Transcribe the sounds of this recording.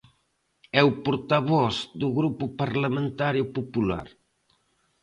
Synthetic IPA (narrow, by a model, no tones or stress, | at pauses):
ɛwpuɾt̪aβɔzd̪uɣɾupupaɾlamẽnt̪aɾjupupula̰ɾ